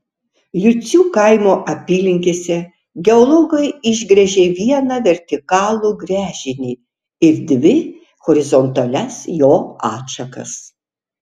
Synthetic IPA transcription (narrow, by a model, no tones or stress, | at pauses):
jʊt̪sʲuːkɐɪmoːʔɐpʲiːlʲɪŋʲkʲeːsʲɛ | ɡʲɛɔlˠɔːɡɐɪɪʒʲɡɾʲɛʒʲeːʋʲiɛnɐʋʲɛɾʲt̪ʲɪkɑːlˠuːɡɾʲæːʒʲɪnʲiː | ɪɾd̪ʲʋʲɪ | xɔɾʲɪzɔnt̪ɐlʲɛsjoːɑːtʃɐkɐ̰s